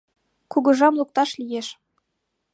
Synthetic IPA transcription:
kuɡɤ̆ʒɑmlˠuk̚t̪ɑʃlʲijeʃ

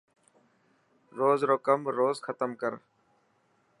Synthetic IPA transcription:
ɾoːzɾoːkəmɾoːzxʰət̪əmkəɾ

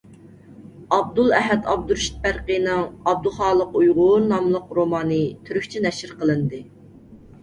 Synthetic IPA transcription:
ɑb̚d̪ulˠɛɦɛt̪ʰɑb̚d̪uɾʃi̥t̪̚pæɾqəjnɨŋɑb̚d̪uχɑːlˠəqujʁʊɾnɑmlˠəqɾomɑːnɨt̪ʰyɾykʲt͡ʃʰinɛʃɪɾqəlˠɨnd̪ɨ

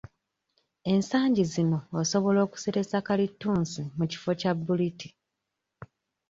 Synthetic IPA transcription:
e̞nsaːɲɟizino̞ːso̞βo̞lo̞ːku̥seɾe̞sakalitːuːnsimuci̥fo̞cabːuliti̥

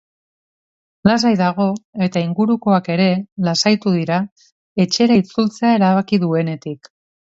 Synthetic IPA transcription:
las̬ajðaɣ̞o̞e̞t̪aiŋɡuɾuko̞ake̞ɾe̞lasajt̪uðiɾa | e̞t͡ʃe̞ɾait͡sult͡se̞ae̞ɾaβakiðue̞ne̞t̪ik

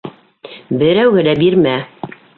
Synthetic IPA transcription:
bɘ̆ɾæwɡɘlæbiɾmæ

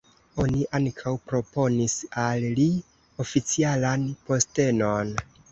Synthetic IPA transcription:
o̞niʔaŋkʰawpɾo̞po̞nisalli | o̞fit͡sialanpo̞ste̞no̞n

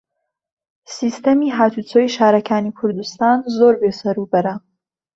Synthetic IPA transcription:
siːst̪ɐmiːɦaːt̪ʰut͡soːjiʃaːɾɐkʰaːnikʰʊɾd̪ust̪aːnzoːɾbeːsɐɾubɐɾɐ

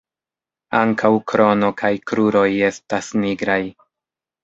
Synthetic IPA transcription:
aŋkʰawkɾo̞no̞kʰajkɾuɾo̞je̞stasniɡɾaj

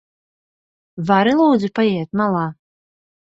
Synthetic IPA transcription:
vaɾɪlˠuːd͡zʲɪpajet̪̚malˠa

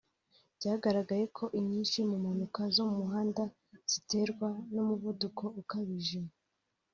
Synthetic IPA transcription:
bɟaːɡaɾaɡaje̞kʰo̞ʔiɲiːnʃimumanukazommuɦaːnda | z̥ite̞ɾɡwanumuvudukʰo̞ukaβiʒimo

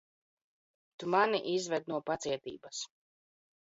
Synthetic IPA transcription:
t̪umaniʔizvɛd̪̚nuɔpat̪siɛt̪ḭːbɐs

